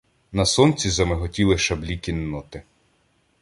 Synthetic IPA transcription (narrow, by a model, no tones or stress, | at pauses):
nɐsɔnt͡sʲizɐmɪɦɔtʲilˠɪʃɐblʲikʲinːɔt̪ɪ